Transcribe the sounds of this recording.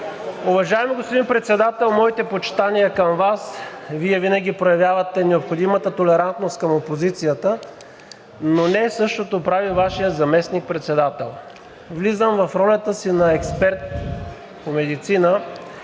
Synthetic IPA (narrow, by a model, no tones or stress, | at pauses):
ʊvɐʒaɛmiɡospod̪inpɾɛt̪sɛd̪at̪ɛlˠmɔit̪ɛpot͡ʃt̪anijəkɐmvasviɛvinəɡʲipɾojɐvjavɐt̪ɛnɛopxod̪imət̪ət̪olɛɾant̪nost̪kəmopozit̪sijət̪ə | nonɛsɤʃt̪ot̪opɾavivaʃijəzɐmɛsnik̚pɾɛt̪sɛd̪at̪ɛlˠ | vlizəmvɐfɾɔlʲət̪əsinɐɛkspɛɾt̪̚ | pomɛd̪it̪sinə